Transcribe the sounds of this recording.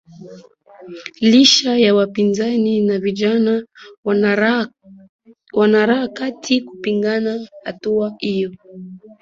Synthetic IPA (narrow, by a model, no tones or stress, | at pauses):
liʃajawapinzaninaviʄana | wanaɾaakatʰikupiŋɡanahatuahijɔ